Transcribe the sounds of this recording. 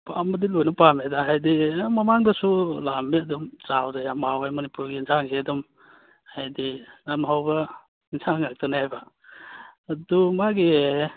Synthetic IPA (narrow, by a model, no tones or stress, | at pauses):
pamadilojnɐpamedaɦajdimɐmaŋdɐsulameɐdumt͡ʃawdajamawajmɐnipuɾɡinzʰaŋɡedum | hajdinamɦawbɐ | inzʰaŋak̚tʰanaajbaː | dumaɡi